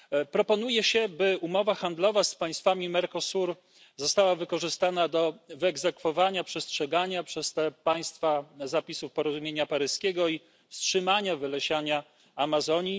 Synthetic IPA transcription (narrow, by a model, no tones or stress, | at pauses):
pɾɔpɔnujɛɕɛbɘumɔvaxand̪lɔvaspaj̃st̪famʲimɛɾkɔsuɾ | zɔst̪awavɘkɔʐɘst̪anad̪ɔvɘɛɡzɛkfɔvaɲapʂɛstʂɛɡaɲapʂɛst̪ɛpaj̃st̪fazapʲisufpɔɾɔzumʲjeɲapaɾɘskʲɛɡɔi | fstʂɘmaɲavɘlɛɕaɲa | amazɔɲi